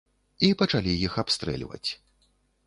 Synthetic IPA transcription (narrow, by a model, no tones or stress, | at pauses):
ipɐt͡ʂalʲijixapst̪ɾɛ̰lʲvɐ̰t͡sʲ